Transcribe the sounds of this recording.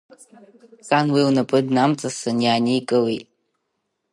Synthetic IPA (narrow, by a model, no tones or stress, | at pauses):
kʼanwiwnapʼɨdnamt͡sʼasɨnjaːnikʼɨwitʼ